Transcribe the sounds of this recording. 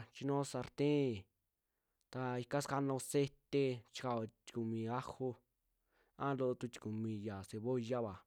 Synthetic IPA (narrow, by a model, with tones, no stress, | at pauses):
t͡ʃi˧nõ˦sa˧ɾt̪ẽ˦˨ | t̪a˧i˧ka˦ska˧nõ˧se˦t̪e˧t͡ʃi̥˧ka˧˨o˧t͡ʃ̪i̥˧ku˨mĩ˧a˦ho˧ | ã˦lo˧ʔt̪u˧t͡ʃ̪i̥˧ku˨mĩ˧ja˨se˧βo˦ja˦βa˨